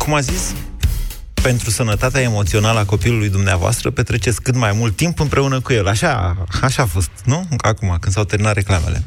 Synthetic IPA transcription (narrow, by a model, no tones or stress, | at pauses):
kumazis | pe̞nt̪ɾusənət̪at̪eaemo̞t̪sio̞naləako̞pilulujd̪umneavoa̰st̪ɾəpet̪ɾe̞t͡ʃesʲkɨt̪majmult̪ːimpɨmpɾʔe̞unəkuje̞laʃaaʃaːfo̞st̪̚nuakumakɨnd̪sawt̪eɾminat̪ɾe̞klame̞̰le̞̰